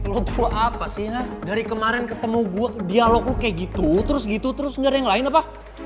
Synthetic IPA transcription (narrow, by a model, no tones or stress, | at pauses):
lot̪uaʔapasɪhnadaɾikəmaɾɛnkət̪əmuɡuadialɔklukajaʔɡit̪ut̪əɾʊsɡit̪ut̪əɾʊsŋɡaɾjaŋlaɪnapa